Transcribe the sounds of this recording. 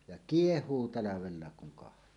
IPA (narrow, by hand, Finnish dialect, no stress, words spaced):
jɑ kiehˑuː tɑlɑʋelːɑek kuŋ kɑhtˑoː